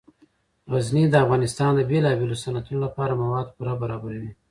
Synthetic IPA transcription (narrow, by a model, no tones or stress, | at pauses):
ɣaznid̪əafɣɑnɪst̪ɑnd̪əbelɑbelosanat̪unolapɑɾamawɑd̪̚puɾabaɾɑbaɾawi